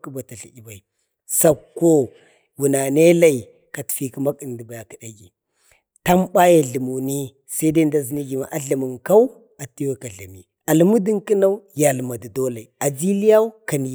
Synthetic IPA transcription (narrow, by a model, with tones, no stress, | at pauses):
ku˦ba˨ta˨ɬḭ˨i˦ba˨i˨ | sa˦kːo˦ | wu˨na˨ne˦la˦˨i˨ | ka˨tfi˦ki˦ma˦ki˨n˨di˨ba˨ja˨ki˨ɗa˦ɡi˨ | ta˦mɓa˦ja˨ɮə˨mu˨ni˦ | sa˦i˦da˦n˦da˦zi˦ni˦ɡi˨ma˨ʔa˦ɮa˨mə˨ŋka˦w | a˨ti˦wa˦ka˨ɮa˨mi˨ | a˨lmu˦di˦ŋki˦na˦u˦ja˨lma˨di˨do˦la˨i˨a˨d͡ʒi˦li˦ja˦u˦ka˨n˨